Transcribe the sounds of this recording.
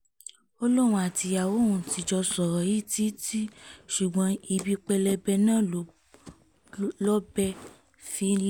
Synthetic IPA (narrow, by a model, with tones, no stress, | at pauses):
o˧lo˦˨w̃ũ˧˦a˨ti˧a˨wo˨˦˨ũ˧˨ti˧d͡ʒɔ˧sɔ˨ɾɔ˨i˦ti˦ti˦ʃu˨ɡ͡bã˨˦i˧bi˧k͡pɛ˧lɛ˧bɛ˧nãː˦˨˦ | lɔ˦bɛ˧ | fi˧˦l